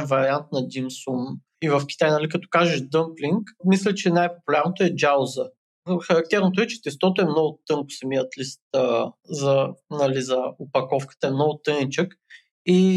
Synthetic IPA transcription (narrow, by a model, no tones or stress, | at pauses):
vɐɾiant̪̚nɐd̪ʲimsum | ivɐfkʲi̥t̪ajnɐlikɐt̪ɔ̥kaʒəʃd̪ɤmpliŋkmis̬lʲɛt͡ʃɛnajpo̥pʊlʲaɾnot̪oɛd͡ʒaozə | xɐɾɐk̚t̪ɛɾnot̪oʊɛt͡ʃɛ̥t̪ɛst̪ɔt̪oɛmnɔɡʊt̪ɤŋkʊ̥sɐmiət̪list̪əzɐnɐlizɐʊpɐkɔfkə̥t̪əɛmnɔɡʊt̪ɤnit͡ʃək | i